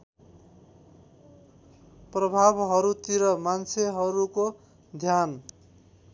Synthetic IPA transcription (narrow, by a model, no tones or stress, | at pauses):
prʌbʱabɦʌɾut̪iɾʌmant͡sʰeɦʌɾuko | d̪ʱjan